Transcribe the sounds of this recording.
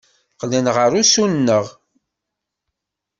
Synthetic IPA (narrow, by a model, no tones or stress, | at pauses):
qlənʁəɾusunnːəʁ